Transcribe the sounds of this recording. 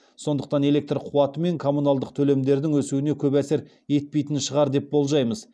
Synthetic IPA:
so̞nd̪əqt̪ɑne̞lʲe̞k̚t̪rqʰuwɑt̪əme̞ŋkʰo̞munalˠd̪əq̚t̪ʰɵle̞md̪e̞ɾd̪ɪŋwɵsuwɪne̞kʲʰɵbæse̞ɾ | je̞t̪̚pe̞jt̪ɪnʃəʁɑɾd̪e̞p̚bo̞lˠʒɑjməz

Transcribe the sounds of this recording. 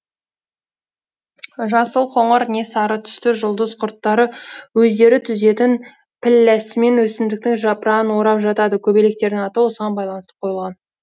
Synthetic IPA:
ʒɑsəlˠqʰo̞ɴəɾne̞sɑɾət̪ʰʏ̥st̪ɪʒʊlˠd̪əzqʰʊɾt̪ːɑɾəwɵzd̪e̞ɾɪt̪ʰʏze̞t̪ɪn | pʰɪlːæsɪme̞nwɵsɪmd̪ɪk̚t̪ɪŋʒɑpɾɑənwo̞ɾɑpʒɑt̪ɑd̪əkʲʰɵbele̞k̚t̪e̞ɾɪŋɑt̪əwo̞səʁɑnbɑjlˠɑnəst̪ə̥pqʰo̞jəlˠʁɑn

